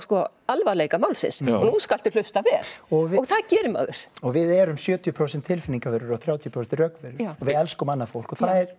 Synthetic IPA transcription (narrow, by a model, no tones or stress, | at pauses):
skɔ | alvaleːjkamaːwlsɪ̰nsnuskal̥t̪ɪɾ̥l̥ʏst̪avɛːɾ̥ɔvɪɔɣθaðcɛːɾʏma̰ðʏ̰ɾ̥ɔɣvɪðɛɾʏmsjœːt̪ʰjʏpʰɾoːwsɛnt̪ʰːɪlfɪniŋkavɛɾʏɾɔɣθɾjaːwt̪ʰjʏpʰɾowsɛnrœkvɛɾʏ̥ɔvɪðɛlskʏmanːafowl̥kɔθaðɛɾ̥